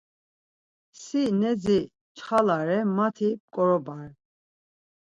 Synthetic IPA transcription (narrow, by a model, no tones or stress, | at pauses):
sinɛd͡zi | t͡ʃʰχalaɾɛmat̪ʰip̚kʼɔɾɔbaɾ